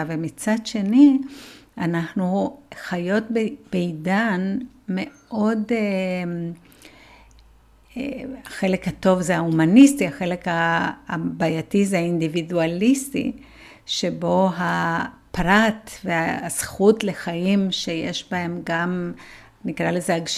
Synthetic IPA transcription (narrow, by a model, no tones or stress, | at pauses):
vemit͡sad̪ʃe̞niʔanaχnuχajo̞t̚bb̥eidan | me̞ | ʔo̞de | aχe̞le̞khato̞vzehaumanistiaχe̞le̞ka | bajatizeaindividualistḭ | ʃebo̞ɦapʁatveasχutle̞χajimʃejḛʃbae̞mɡam | nikʁalezeaɡʃ